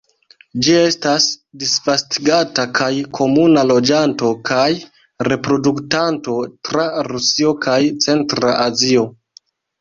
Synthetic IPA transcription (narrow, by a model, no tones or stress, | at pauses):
d͡ʒie̞stasdisvastiɡatakajkʰo̞munalo̞d͡ʒanto̞kaj | ɾe̞pɾo̞duktanto̞tɾaɾusio̞kajt͡se̞ntɾaʔazio̞